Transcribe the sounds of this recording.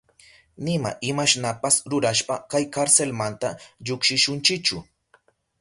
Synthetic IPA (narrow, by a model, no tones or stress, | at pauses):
nɪma̰ʔɪmaʃnapasɾʊɾaʃpakajkaɾselmant̪aʎʊkʃɪʃʊnt͡ʃɪkt͡ʃʊ